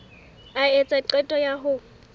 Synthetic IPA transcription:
aet͡sʼaǃɛtʼɔjaɦʊ

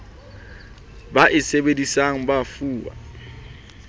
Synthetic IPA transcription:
baʔɪsebedisaŋ̩bafuːwa̰

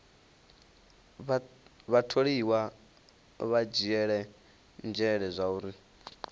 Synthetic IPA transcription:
ββatʰoɺiwa | βad͡ʒiɛɺɛ | nd͡ʒɛɺɛzʷauːɾi

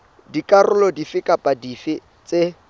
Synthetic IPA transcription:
dikʼarʊlɔdifɪkʼapʼadifɪ | t͡se

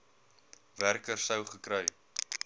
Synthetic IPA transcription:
værkərsəwχəkɾəj

